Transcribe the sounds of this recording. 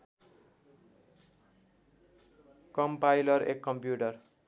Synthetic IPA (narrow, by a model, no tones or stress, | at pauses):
kʌmpajlʌɾḛkːʌmpjuʈʌr